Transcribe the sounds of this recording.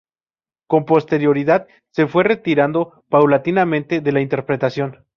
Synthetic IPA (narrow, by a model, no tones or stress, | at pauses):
ko̞mpo̞st̪e̞ɾjo̞ɾiðað | se̞fwe̞re̞t̪iɾand̪o̞ | pawlat̪inamẽnt̪e̞ðe̞laint̪e̞ɾpɾe̞t̪asjo̞n